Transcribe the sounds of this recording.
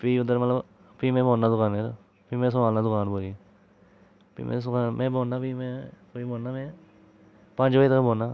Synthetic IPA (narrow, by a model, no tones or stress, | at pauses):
piːʊd̪əɾmət̪ləb | piːmẽːboːnːaːd̪ʊkaːnɦɛ̃ːt̪o | piːmẽs̬əmaːlnaːd̪ʊkaːnboːɾiɛ | pḭːmḛ̃sʊkaːnmɛ̃ːboːnːaːpiːmẽkoːiboːnːaːmɛ̃ː | pə̃t͡ʃʋaːit̪əkboːnaː